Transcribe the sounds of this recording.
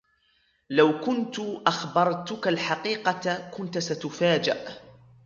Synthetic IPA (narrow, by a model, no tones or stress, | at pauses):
lawkʊnt̪ʊʔaxbɑɾˤt̪ʊkalħaqiːqɑkʊnt̪sat̪ʊfaːd͡ʒɪʔ